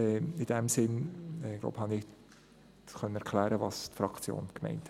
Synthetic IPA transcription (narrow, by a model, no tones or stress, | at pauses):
ɛɪd̥ɛmsɪnɡlo̰ʊbhɑnɪ̥ | χœnəɛɾkʰlæːɾəvɑstfɾɑkt͡sjo̰ːnkmɛ̰ɪnt